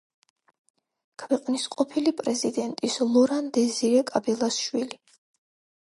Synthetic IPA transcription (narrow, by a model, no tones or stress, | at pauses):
kʰwɛqʼnisqʼɔpʰilipʼɾɛzid̪ɛnt̪ʼislˠɔɾand̪ɛziɾɛkʼabɛlˠasʃwili